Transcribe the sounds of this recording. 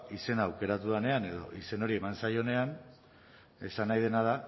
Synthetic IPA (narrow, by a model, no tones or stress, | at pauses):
ise̞naːwke̞ɾat̪uðane̞ane̞ðo̞̰ʔise̞no̞ɾie̞mansajo̞ne̞an | e̞sanajð̞e̞naða